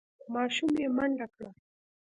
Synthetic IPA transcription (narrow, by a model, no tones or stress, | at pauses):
maʃʊmemanɾaka